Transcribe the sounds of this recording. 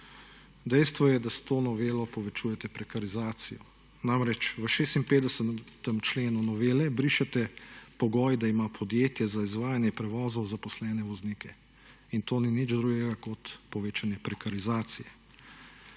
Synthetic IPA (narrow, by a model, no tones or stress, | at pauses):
d̪ɛjst̪ʋɔjɛd̪ast̪oːnɔʋeːlɔpɔʋɛt͡ʃuːjɛt̪ɛpɾɛkaɾizaːt̪sijɔ | namɾɛt͡ʃʋəʃeːst̪impeːd̪ɛsət̪əmt͡ʃleːnunɔʋeːlɛbɾiʃɛt̪ɛpɔɡɔːjd̪aimapʰɔd̪jeːt̪jɛzaizʋaːjanjɛpɾɛʋɔːzɔwzapɔslɛːnɛʋɔzniːkʰɛ | int̪oːninid͡ʒd̪ɾuɡɛɡakɔt̪pɔʋeːt͡ʃanjɛpɾɛkaɾizaːt̪sijɛ